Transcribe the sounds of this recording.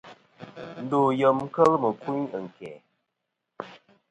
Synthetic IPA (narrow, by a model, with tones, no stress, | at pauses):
n̩˦do˨jə˨mŋ̩˦kə˦lmə˨ku˦ɲə˨ŋ̩˨kɛ̰˨